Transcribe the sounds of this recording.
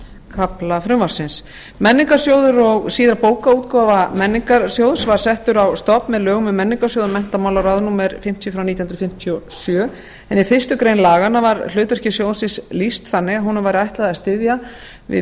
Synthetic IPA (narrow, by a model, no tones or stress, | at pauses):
kʰaplafɾʏmvaɾ̥sɪns | mɛnːɪŋkaɾ̥sjoːwðʏɾɔɣsiːðɾapoːwkauːt̪kɔvamɛnːɪŋkaɾsjowðsvaɾ̥sɛht̪ʏɾawst̪ɔpmɛðlœːɣʏmʏmɛnːɪŋkasjoːwðʏɾmɛn̥t̪amawlaɾawðnuːmɛɾfɪm̥t̪ʰjʏfɾawnit̪jhnɾfɪm̥t̪ʰjɔsjœː | ɛnifɪr̥st̪ʏkɾejnlaːɣanːavaɾl̥ʏːt̪œr̥cɪsjoːwðsɪnslist̪θanːɪɣaɦunʏmvajɾɪajht̪laðast̪ɪðja | vɪ̰